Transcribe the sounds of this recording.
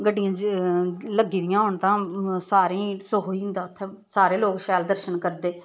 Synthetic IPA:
ɡəɖːɪjãː | ləɡiːd̪ɪjãːɦoɳt̪ãːsaːɾĩːsoɦoːĩːnd̪aːt̪ʰːesaːɾeːloːkʃɛːld̪əɾʃənkəɾd̪eː

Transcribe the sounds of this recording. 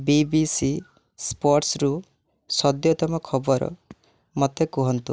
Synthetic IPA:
bibisi | spɔɾʈsɾu | sɔd̪jɔt̪ɔmɔkʰɔbɔɾɔ̰ | mot̪ekɔɦɔnt̪u

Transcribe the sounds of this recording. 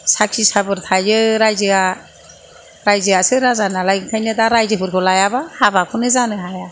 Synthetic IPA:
sakʰisabɯɾtʰajzɯɾajzɯa | ɾajzɯasɯɾazanalajkʰajnɯdaɾajzɯpʰɯɾkʰɔlajabahabakʰɔnɯzanɯɦaja

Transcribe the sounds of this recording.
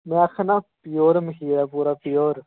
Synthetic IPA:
mẽɐkʰnaːpijoːɾmɪkʰiːɾaːpuːɾaːpijoːɾ

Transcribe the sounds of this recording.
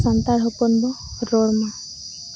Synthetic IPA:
sant̪aɾɦɔpɔnbɔ | ɾɔɽma

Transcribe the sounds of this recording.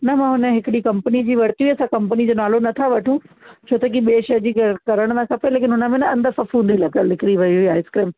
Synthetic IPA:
nɐmãːɦʊnə̆ɦɪkɪɽikɐ̃mpnid͡ʑiːʋɐɽt̪iuɐsãkɐ̃mpənid͡ʑoːnaːlonɐt̪ʰaʋɐʈʰũt͡ɕʰoːt̪ɐk̬iɓeːʃɐɦd͡ʑiːɡɐkɐɾəɽ̃mãkʰãpɐeleːk̬ɪnɦʊnə̆mẽnɐɐ̃nd̪əfɐfũːnd̪ilɐɡəllɪkʰɪɾiʋɐiɦʊiaːɦeɪskɾɪːm

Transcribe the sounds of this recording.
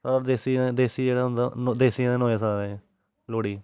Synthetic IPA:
ad̪eːsĩd̪eːsiːd͡ʒeːɽaːɦʊ̃nd̪a̰nod̪eːsɪjãːẽnoːeːsaɾẽː | loːɽiː

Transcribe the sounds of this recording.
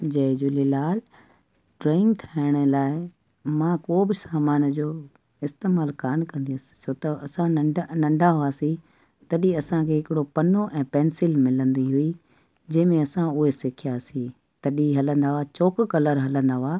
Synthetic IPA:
d͡ʑɐːd͡ʑuːlilaːl | ɖɾoːɪ̃ŋɡt̪ʰaːɪɽ̃əlaːɪ | mãːkoːbɪsaːmaːnd͡ʑoː | ɪst̪eːmaːlkaːnkɐ̃nd̪iəsɪ̥soːt̪ɐɐsãnɐ̃ɳɖʱaɦʊaːsĩ | t̪ɐɗiɐsãkʰeːɦɪkɪɽopɐnoʔɛ̃ːpɛːnsɪlmɪlə̃nd̪iɦui | d͡ʑɐ̃ɦɪ̃mẽɐsãʊɦesɪkʰijaːsĩ | t̪ɐɗiɦɐlə̃nd̪aːɦʊat͡ɕoːkkɐləɾɦɐlə̃nd̪aːɦaː

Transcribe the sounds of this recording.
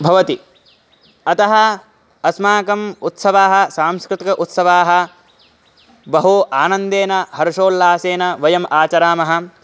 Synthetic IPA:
bʱɐʋɐt̪i | ɐt̪ɐɦɐ | ɐsmaːkɐmut̪sɐʋaːɦɐ̆saːmskɾut̪ikɐʔut̪sɐʋaːɦɐ̆ | bɐɦuʔaːnɐnd̪eːnɐhɐɾʂoːlːaːseːnɐʋɐjɐmʔaːt͡ʃɐɾaːmɐɦɐ̆

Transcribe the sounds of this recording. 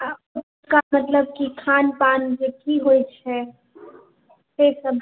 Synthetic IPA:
əʊt | kamət̪ləb̚kikʰanpand͡ʒekiɦojt͡ʃʰɛ | sesəbʱ

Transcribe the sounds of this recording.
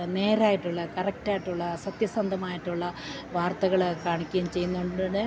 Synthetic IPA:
ne̞ːɾaːjiʈːuɭːɐkɐrɐk̚taːjiʈːuɭːɐsɐt̪jɐsɐnd̪ʱɐmaːjiʈːuɭːɐ | ʋaːrt̪ɐɣɐɭkaːɳikʲːɐjumt͡ɕe̞jːunːuɳɖɖɨnɨ

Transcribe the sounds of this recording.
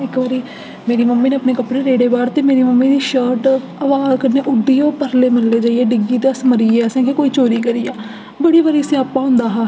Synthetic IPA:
ɪkʋaɾiː | meːɾiːməmːĩːneːəpneːkəpɽeːɾeːɽeːbaːɾt̪eːmeːɾiːməmːĩːd̪iːʃəːʈ | əʋaːzkənːeːʔʊɖiːoːpəɾleːməlleːd͡ʒaːieːɖɪɡiːt̪eːəsməɾiːeɛːsẽːkeːkoːiːt͡ʃoːɾiːkəɾiːaː | bəɽiːʋəɾiːəsĩːaːpːãːɦʊ̃nd̪aːɦaː

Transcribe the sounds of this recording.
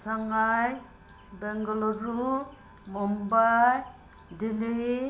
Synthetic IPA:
saŋaj | bɛŋɡɔlɔɾu | mɔmbaj | dili

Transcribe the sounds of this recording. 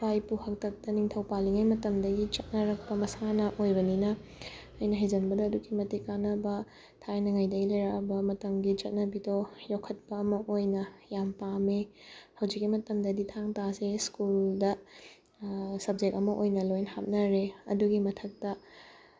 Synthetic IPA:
bajpuhɐk̚tɐk̚tɐniŋtʰɐwpaliŋajmɐtɐmdɐɡit͡ʃɐt̚nɐɾɐk̚pɐmɐsanɐʔojbɐninɐː | jnɐɦɐjzɐnbɐdɐːduɡimɐtikːanɐbɐ | tʰajnɐŋajdɐɡilɐjɾabɐmɐtɐmɡit͡ʃɐt̚nɐbidojokʰːɐt̚pɐːmɐʔojnɐjampamehɐwzikːimɐtɐmdɐditʰaŋtaseskuldɐ | sɐb̚d͡ʒek̚ɐmɐʔojnɐlojnhap̚nɐɾeɐ̰duɡimɐtʰɐk̚tɐ

